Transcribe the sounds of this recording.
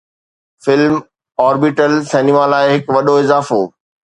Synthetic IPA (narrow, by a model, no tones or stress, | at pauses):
fɪlm | ɔːɾbɪʈəlsɛːnimaːlaːɪɦɪkʋɐɗoɪzaːfoː